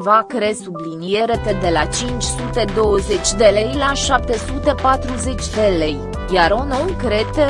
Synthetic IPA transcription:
vakɾesublinije̞ɾet̪ed̪e̞lat͡ʃint͡ʃʲsut̪e̞d̪o̞wəze̞t͡ʃʲd̪e̞le̞jlaʃap̚t̪e̞sut̪e̞pat̪ɾuze̞t͡ʃʲd̪e̞le̞j | jaɾonowkɾet̪e

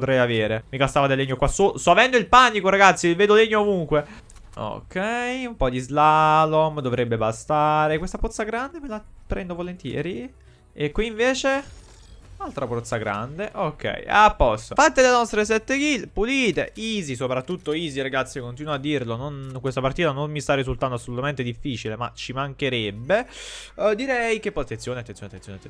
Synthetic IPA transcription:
ot̪ɾɛjaveːɾemikast̪aːvad̪elːeɲːokwasosoavɛnd̪oilpanːikoɾaɡat̪sːilveːd̪oleɲːoːvuŋkwe | o̰kʰːɛjumpɔd̪izlalomd̪ovɾebːebast̪aːɾekwest̪apot̪sːaɡɾand̪emelapɾɛnd̪ovolent̪jɛ̰ːɾi | ekwiːɱveːt͡ʃe | nalt̪ɾapɔt̪sːaɡɾa̰nd̪eʔokʰːɛ̰japːɔst̪ofat̪ːelenɔst̪ɾesɛt̪ːekilpuliːt̪ḛiːzisopɾat̪ːut̪ːoiːziɾaɡat̪sːjikːont̪iːnad̪ːirlononkwest̪apart̪iːt̪anomːist̪arːizult̪and̪oasːolut̪ament̪ed̪ifːiːt͡ʃilema̰t͡ʃːimaŋkeɾebːe | d̪iɾɛjkepːɔat̪ːenjoːneat̪enonat̪ːensjonat̪ː

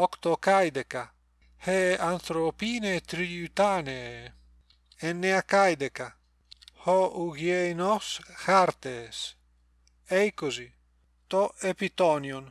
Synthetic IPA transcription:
ɔkt̪okajd̪eka | heant̪ɾopinet̪ɾiut̪ane | enːeakajd̪eka | hɔuɡjejnɔshaɾt̪es | ejkozi | t̪ɔepit̪ɔnjon

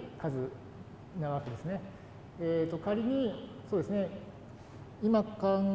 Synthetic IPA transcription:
kazɨ | na̟βake̞d̪e̞sɨne̞ | et̪ːo̞kaɾʲiɲ̟i | so̞ːd̪e̞sɨne̞ | imakãŋ

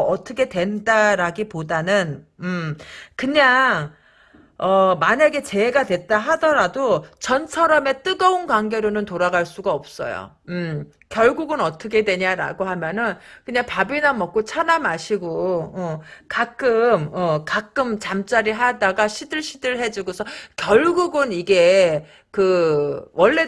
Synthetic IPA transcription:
ʌtʰʌkʰe̞twe̞ndaɾaɡipodanɯnɯmkɯɲa | ʌmaɲaɡe̞t͡ɕe̞eɡadwe̞t͈aɦadʌɾadot͡ɕʌnt͡ɕʰʌɾʌme̞t͈ɯɡʌunkwaŋɡe̞ɾonɯntoɾaɡaɭs͈uɡaʌp̚s͈ʌ̰jo̰ | kjʌɭɡuɡɯnʌt͈ʰʌkʰe̞dwe̞ɲaɾa̰ɡoɦamjʌnɯnkɯɲaŋpabinamʌk͈̚ot͡ɕʰanamaɕʰiɡoʌkak͈ɯmʌkak͈ɯmt͡ɕamt͡ɕ͈aɾiɦadaɡaɕʰidɯɭɕʰidɯɭɦe̞d͡ʑuɡosʰʌkjʌɭɡuɡɯniɡe̞ | kɯwʌɭːe̞

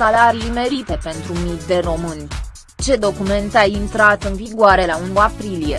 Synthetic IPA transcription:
alaɾime̞ɾit̪e̞pe̞nt̪ɾumikd̪e̞ro̞mɨnʲ | t͡ʃe̞d̪o̞kume̞nt̪aint̪ɾat̪ɨnviɡoaɾe̞launuapɾilije̞

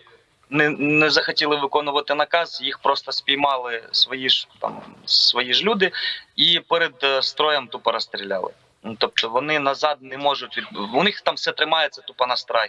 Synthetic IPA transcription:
nɛnɛzɐxɐtʲilˠɪʋɪkɔnʊʋɐt̪ɪnɐkɑzjixpɾɔst̪ɐspʲijmɑlˠɪsʋɔjiʒt̪ɑ̰msʋɔjiʒlʲud̪ɪipɛɾed̪st̪ɾɔjɛmt̪upɐɾɔst̪ɾʲilʲɑ̰lˠɪ̰ | t̪ɔp̚t̪ɔʋɔnɪnɐzɑd̪̚nɛmɔʒʊtʲʋ̪ʲʊnɪxt̪ɑmfsɛt̪ɾɪmɑjet͡sʲɐt̪upɐnɐst̪ɾaj

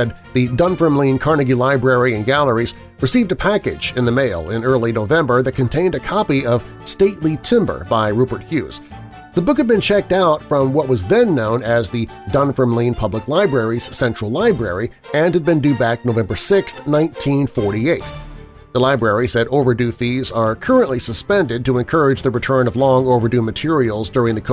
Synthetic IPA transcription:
ɛd̪̚ | ðɨdʌ̃nfə̃˞mlĩnkʰɑɹnɨɡʉlaɪbɹɛɹiɨ̃nɡælˠə˞iz̥ | ɹɨsivdɨpʰækɨ̰d͡ʒɨ̃nðɨmeɪlˠɪ̰̃nɜ˞lˠinoʊvɛ̃mbə˞ðɨt̚kʰɨ̃ntʰẽɪ̃ndɨkʰɑpiʌv̥ | steɪtˡlitʰɪ̃mbə̰˞baɪɹubə˞t̚hjʉ̰z̥ | ðəbʊkhɨd̚bɨ̃nt͡ʃʰɛk̚taʊtfɹʌ̃mwʌt̚wʌzðɨ̃nːõʊ̃nɨzðɨ | dʌ̃nfə˞mlĩnpʰʌbləklaɪbɹɛɹiz̥sɛ̃nt͡ʃɹ̥əl̩ˠlaɪbɹɛ̰ɹi | ɨ̃nɨd̚bɨ̃ndʉbæk̚noʊvɛ̃mbə˞sɪksθnãɪ̃ntʰĩnfɔɹɾieɪt̪̚ | ðəlaɪbɹɛɹizɨɾoʊvə˞dʉfizə˞kʰɜ˞ɨ̃nʔlisəspɛ̃ndɨd̚tɨə̃nkʰɜ˞ɨd͡ʒðɨɹɨtʰɜ̃˞nʌvlɔ̃ŋoʊvə˞dʉmɨtʰɪɹil̩ˠzdʊɹɪ̃ŋðɨkʰ

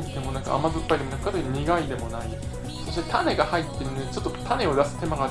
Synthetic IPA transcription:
d̪emo̞nakɯ̰a̰mazɯpːaid̪emnakːat̪oɲiɡaid̪e̞mo̞nai | soɕiet̪ʰane̞ɡahait̪ːeɯnet͡ɕo̞t̪ːot̪ʰane̞od̪asɨ̥t̪e̞maɡa

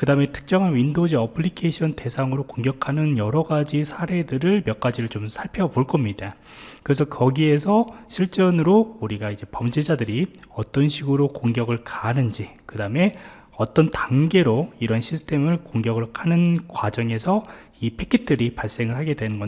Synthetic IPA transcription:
kɯdame̞tʰɯ̥k̚t͡ɕ͈ʌŋɦanɥindod͡ʑiʌpʰɯɭːikʰeɕʰʌnte̞sʰaŋɯɾokoŋɡjʌkʰanɯnjʌɾʌɡad͡ʑisʰaɾe̞dɯɾɯɭmjʌk͈ad͡ʑiɾɯɭt͡ɕomsʰaɭpʰeʌboɭk͈ʌmɲida | kɯɾe̞s̬ʰʌkʌɡie̞sʰʌɕʰiɭt͡ɕ͈ʌnɯɾouɾiɡaid͡ʑe̞pʌmd͡ʑid͡ʑadɯɾiʌt͈ʌnɕʰiɡɯɾokoŋɡjʌɡɯɭkanɯnd͡ʑikɯdame̞ | ʌt͈ʌntaŋɡe̞ɾoiɾʌnɕʰisʰɯ̥tʰe̞mɯɭkoŋɡjʌɡɯɭkʰanɯnkwad͡ʑʌŋe̞sʰʌ | ipʰekʰit̚t͈ɯɾipaɭs͈e̞ŋɯɭɦhaɡe̞dwe̞nɯnɡʌ

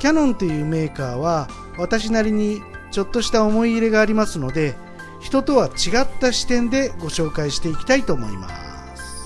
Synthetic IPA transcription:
kʲanõ̞nt̪o̞jɯ̟ːme̞ːkaːβa | βat̪aɕ̬inaɾʲiɲ̟i | t͡ɕo̞t̪ːo̞ɕi̥t̪ao̞mo̞iːɾe̞ɡaːɾʲimasɨno̞d̪e̞ | çi̥t̪o̞t̪o̞βat͡ɕiɡat̪ːaɕi̥t̪ẽ̞nd̪e̞ɡo̞ɕo̞ːkaiɕi̥t̪e̞ikʲi̥t̪ait̪o̞ːmo̞ḭma̰ | sɨ̥

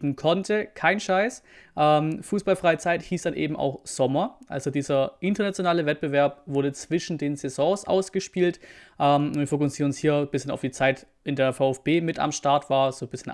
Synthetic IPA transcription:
n̩kʰɔntʰəkʰaɪnʃaɪs | ʔɛːmfuːsb̥alfʁ̥aɪət͡saɪthiːsd̥anʔḛːbm̩ʔa̰ʊxz̥ɔmɐʔa̰lzodiːzɐʔɪntɐnat͡sjonaːləvɛt̚b̥əvɛɐp̚v̥ʊɐdət͡sv̥ɪʃn̩deːnzɛzɔ̃ːsʔa̰ʊsɡ̥əʃpiːltʔɛːmniːfokʊsiːnʊnshiːɐb̥ɪsçəna̰ʊfd̥iːt͡saɪt | ʔɪndeːɐfaʊɛfb̥eːmɪta̰mʃtaɐtv̥aːɐz̥oːbɪsçən

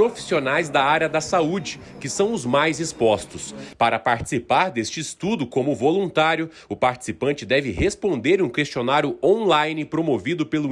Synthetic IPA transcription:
pɾofi̥sionajzd̪ɐaɾjɐd̪ɐsaud͡ʒɪkɪsɐ̃w̃ʊzmajzɪspɔst̪ʊspaɾɐpaɾt͡ʃi̥sipaɾd̪est͡ʃɪːst̪ud̪ʊkõmʊvolũnt̪aɾjʊ | ʊpaɾt͡ʃi̥sipɐ̃nt͡ʃɪd̪ɛvɪɦespõnd̪eɾũkest͡ʃionaɾjʊõnlajnɪpɾomovid̪ʊpelʊ

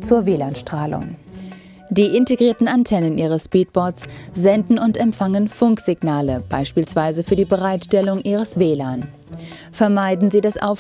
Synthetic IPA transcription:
t͡suːɐveːlaːnʃtʁ̥aːlʊ̰ŋ | d̥iːʔɪnteɡʁiːɐtn̩antʰɛnənʔiːʁ̞əsʃpiːt̚b̥ɔɐtsz̥ɛndn̩ʊntɛmpfaŋənfʊŋkz̥ɪɡnaːləb̥a̰ɪʃpiːlsv̥aɪzəfyːɐdiːbəʁaɪtʃtɛlʊŋʔiːʁ̞əsv̥eːlaːn | fɛɐmaɪdn̩ziːdasʔa̰ʊ

